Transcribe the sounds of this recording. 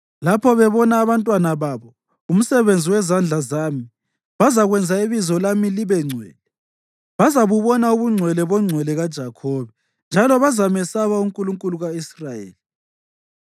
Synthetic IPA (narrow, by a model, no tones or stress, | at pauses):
lapʰɔβɛβɔnaːβantʼwanaβaːβɔ | um̩sɛβend͡zʱiwɛzand͡ɮʱazaːmi | βazaɣwɛnd͡zʱaiβizɔlamiliβɛŋ͡ǀʱwɛ̰ːlɛ | βazaβuβɔnauβuŋ͡ǀʱwɛlɛβɔŋ͡ǀʱwɛlɛɣad̥ʒ̥ʱakʰɔːβɛ | nd͡ʒʱalɔβazamɛsaβauŋkʼuluŋkʼuluɣaisrajḛːli